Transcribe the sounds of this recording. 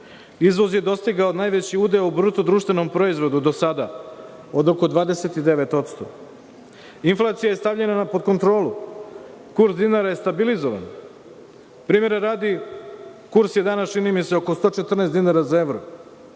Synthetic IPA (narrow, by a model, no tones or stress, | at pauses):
izʋo̞zjed̪o̞st̪iɡaod̪naːjʋet͡ɕiuːd̪ejubɾut̪od̪ɾuːʃt̪ʋe̞no̞mpɾo̞izʋo̞d̪ud̪o̞sad̪a | od̪oko̞d̪ʋaːd̪eset̪id̪eʋe̞t̪o̞t̪st̪o̞̰ | inflˠaːt̪sijaje̞st̪avʎe̞nanapo̞d̪̚kont̪ɾo̞ːlu | kuɾsd̪inaɾaje̞st̪abilizoʋa̰n | pɾiːme̞ɾaɾaːd̪i | kuɾsjed̪anast͡ʃinimiseoko̞st̪o̞ːt͡ʃe̞t̪r̩nesd̪inaɾazaeʋɾo̰